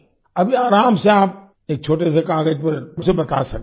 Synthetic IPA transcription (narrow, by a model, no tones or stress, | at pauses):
ɐbʱiaːɾaːmseaːp̚ | eːk̚t͡ʃʰoːʈ̬es̬ekaːɡəd͡ʒpɐɾmʊsebɐt̪a̰ːsɐk̚